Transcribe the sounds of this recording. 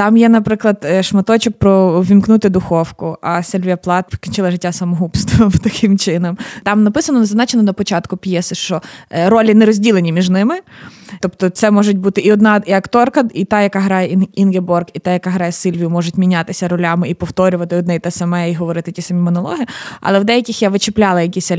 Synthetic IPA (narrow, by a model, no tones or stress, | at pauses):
t̪ɑmjɛnɐpɾɪklˠɐd̪ʃmɐt̪ɔt͡ʃɪk̚pɾɔʋʲimknut̪ɪd̪ʊxɔwkʊʔɐsɪlʲʋʲijɐplˠɑt̪̚kʲinʲt͡ʃɪlˠɐʒɪtʲːasɐmɔɦupst̪ʋɔmwt̪ɐkʰɪmt͡ʃɪnɐmt̪ɑmnɐpɪsɐnɔnɐzznɑt͡ʃenɔnɐpɔt͡ʃɑt̪kʊpʲjɛsɪʃt͡ʃɔɾɔlʲinɛɾɔzʲdʲilˠenʲimʲiʒnɪmɪt̪ɔpt̪ɔt̪sɛmɔʒʊtʲbut̪ɪʔiɔd̪nɑiɐkt̪ɔrkɐit̪ɑjɐkaɦɾɑjɛninɡʲebɔrkit̪ɑjɐkaɦɾɑjɛsɪlʲʋʲijʊmɔʒʊtʲmʲinʲat̪ɪsʲɐɾɔlʲamɪipɔwt̪ɔɾʲʊʋɐt̪ɪɔd̪nɛjt̪ɛsɐmɛiɦɔʋɔɾɪt̪ɪtʲisɐmʲimɔnɔlˠɔ̰ɦiɐ̰lˠɛwd̪ɛjɐkʲɪxjaʋɪt͡ʃɪplʲalˠɐjɐkʲisʲɐ